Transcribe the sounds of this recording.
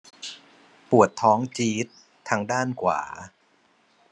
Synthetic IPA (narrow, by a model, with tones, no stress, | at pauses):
pu˨˩ət̪ʰːɔː˦˥ŋt͡ɕiː˦˥t̪ʰː | a˧ŋdaː˥˩nkʰwa̰ː˩˦